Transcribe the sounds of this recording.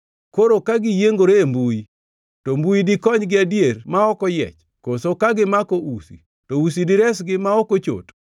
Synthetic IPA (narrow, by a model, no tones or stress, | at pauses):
koɾokaɡɪjeŋɡoɾeembui | tombuidɪkɔɲɡɪadjermaɔkɔjɛ̰t͡ʃ | kosokaɡɪmakoʔusḭ | tousidɪɾɛsɡɪmaɔkot͡ʃo̰t